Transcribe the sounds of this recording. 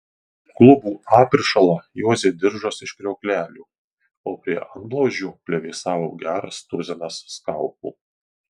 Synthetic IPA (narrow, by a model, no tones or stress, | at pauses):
klˠʊbuːɑːpʲɪɾʃɐlˠɐjoːzʲeːd̪ʲɪɾʒoːsɪʃkʲɾʲioːkʲlʲæːlʲuː | oːpʲɾʲiɛʔɐnb̪lˠoːʒʲuːpʲlʲɛʋʲɛːsɑːʋoːɡʲæːɾɐ̰st̪ʊɾʲzʲɛnɐsːkɑˑlˠpṵː